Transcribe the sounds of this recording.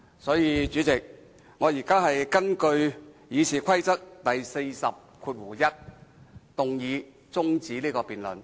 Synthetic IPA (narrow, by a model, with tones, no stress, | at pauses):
sɔː˨˥jiː˨˧t͡ʃyː˨˥t͡sɪ˨k̚ | ŋɔː˨˧jiː˨˩kaː˥ɦɐ˨jkɐ˥nkɵ˧ɥjiː˨˧sʰiː˨kʷʰɐ˥jt͡sɐ˥k̚t̪ɐ˨jse˧jsɐ˨p̚kʰuː˧t̚wuː˨˩jɐ˥t̚t̪ʊ˨ŋjiː˨˧ | t͡sʊ˥ŋt͡siː˨˥liː˥kɔː˧piː˨nlɵ̰˨n